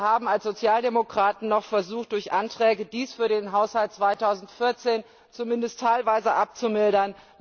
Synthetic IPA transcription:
haːbm̩alsz̥ot͡sjaːldemokʁ̥aːtn̩nɔχfɛɐzuːxt̚d̥ʊɐçʔantʁ̥ɛːɡədiːsfyːɐdeːnɦaʊshalt̚t͡sv̥aɪtʰaʊzn̩tfɪɐt͡seːn | t͡sumɪndəstʰaɪlvaɪzəʔap̚t͡sumɪldɐn

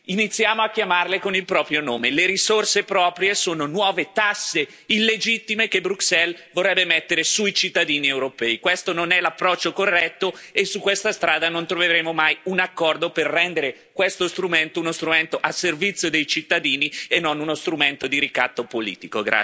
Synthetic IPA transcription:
init̪sːjaːmoakːjamarlekonilpɾɔːpɾjonoːmeleɾisorsepɾɔːpɾjesoːnonwɔːvet̪asːe | ilːed͡ʒit̪ːimekebɾuksɛlvorːɛbːemɛt̪ːeɾesuit͡ʃit̪ːad̪iːniewɾopɛikwest̪ononɛlapːɾɔt͡ʃːokorːɛt̪ːoesːukːwest̪ast̪ɾaːd̪anont̪ɾoveɾeːmomajunakːɔrd̪operːɛnd̪eɾe | kwest̪ost̪ɾument̪ounost̪ɾument̪oʔasːervit̪sːjod̪ejt͡ʃit̪ːad̪iːnienːonunost̪ɾument̪od̪iɾikat̪ːopolḭːt̪ikoɡɾa̰

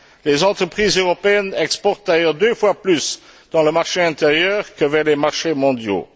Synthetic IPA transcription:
lezɑ̃t̪χəpχiːzøʁɔpeɛnɛkspɔʁt̪̚d̪ajœːʁd̪øfwaplysd̪̥ɑ̃ləmaʁʃeɛ̃t̪eʁjœːʁkəvɛʁlemaʁʃemɔ̃d̪jo̰

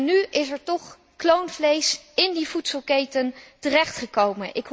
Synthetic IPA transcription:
nyɪsɛɹtɔχ | klownvlejsɪndivutsəlˠkejtəntərɛχtχəkowmənʔɪk

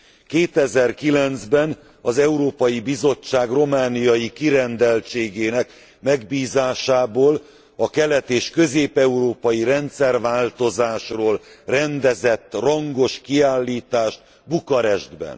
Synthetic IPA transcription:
keːt̪ɛzɛrkilɛnzbɛn | ɒzɛuɾoːpɒjibizo̞t͡ʃːaːɡro̞maːnijɒjikiɾɛnd̪ɛlt͡ʃeːɡeːnɛk | mɛɡbiːzaːʃaːboːl | ɒkɛlɛt̪eːʃkø̞zeːpɛuɾoːpɒjiɾɛnt̪sɛrʋaːlt̪o̞zaːʃroːlrɛnd̪ɛzɛt̪ːrɒŋɡo̞ʃkiaːlːiːt̪aːʃt̪̚ | bukɒɾɛʒd̪bɛ̰n

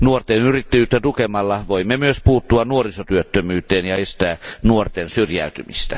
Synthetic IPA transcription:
nuort̪enyrit̪ːæjyːt̪ːæt̪ukemɑlːɑʋoimːemyøspuːt̪ːuɑnuorisot̪yøt̪ːømyːt̪eːnjɑest̪æːnuort̪ensyrjæ̰ˑyt̪ymḭst̪æ

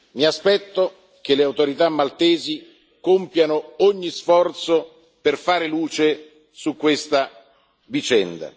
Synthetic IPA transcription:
miaspɛt̪ːo | k̟eleawt̪oɾit̪amːalt̪ɛːzi | kompjanooɲːisfɔrt̪so | perfaːɾeluːt͡ʃe | sukːwest̪a | vit͡ʃɛnd̪a̰

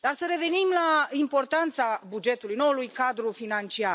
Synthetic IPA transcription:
d̪arsəɾe̞ve̞nimlaimpo̞rt̪ant̪sabud͡ʒe̞t̪ulujno̞wulujkad̪ɾufinant͡ʃia

